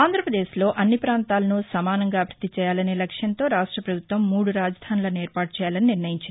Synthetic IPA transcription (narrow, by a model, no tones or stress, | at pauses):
aːnd̪ɾɐpɾɐd̪e̞ːslo̞ːʔɐnːipɾaːnt̪aːlɐnusɐmaːnɐŋɡaːbʱɾɐd̪ːit͡ʃɛːjaːlɐne̞ːlɐkʂjɐnt̪o̞ːɾaːʂʈɾɐpɾɐbʱut̪ʋɐmːuːɽuɾaːd͡ʒɐd̪ʱaːnulɐneːɾpaːʈ̚t͡ʃɛːjaːlɐniniɾnɐjiɲt͡ʃɐni